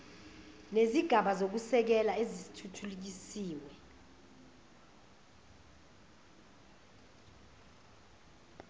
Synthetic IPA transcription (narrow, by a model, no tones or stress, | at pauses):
neziɡ̥ʱaɓazok̬usɛk̬ɛlaezisi̥tʰutʰuluk̬isiːwɛ